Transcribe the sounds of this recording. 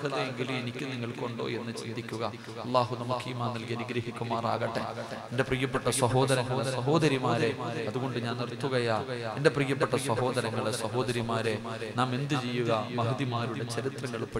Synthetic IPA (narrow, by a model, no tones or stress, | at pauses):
ɐðɐjeŋɡilume̞nikʲːɨniŋːɐɭkoɳɖo̞̰ːe̞nːɨt͡ɕḛːd̪ikʲːuɣɐ | ɐlˠːaːɦunɐmukːɨimaːnːɐlkiɐniɡɾɐɦikʲːumaːra̰ːɣɐʈːeende̞prijɐpːɐʈːɐsɐɦo̞ːd̪ɐɾɐɐsɐɦo̞ːd̪ɐɾimaːɾe̞ɐðuɣo̞ɳɖɨɲaːnːirt̪ːuɣɐjaːendeprijɐpːeʈːɐswɐɦo̞ːd̪ɐɾɐŋːɐɭesɐɦo̞ːd̪ɐɾimaːɾe | naːme̞nd̪ɨt͡ɕejːuɣɐmɐɦɨd̪imaːɾuɽe̞t͡ɕɐɾit̪rɐŋːɐɭpɐ